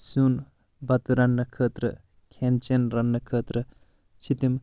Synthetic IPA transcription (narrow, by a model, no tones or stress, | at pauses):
sun | bɐt̪uɾɐnːɐkʰəːt̪ɾɐ̰ | kʰent͡ʃenɾɐnːɐkʰəːt̪ɾɐ | t͡ʃʰit̪im